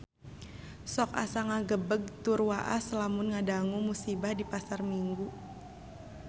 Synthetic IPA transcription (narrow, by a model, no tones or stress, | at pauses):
sɔk̚a̰saŋaɡəbəɡ̚t̪urwaʔasəlamunŋadaŋumusibahdipasarmiŋɡu